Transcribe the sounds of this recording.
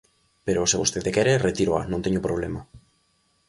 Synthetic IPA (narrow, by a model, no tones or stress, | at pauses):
peɾoseβost̪eðekɛɾeret̪iɾoa̰nõŋt̪eɲopɾoβ̞lema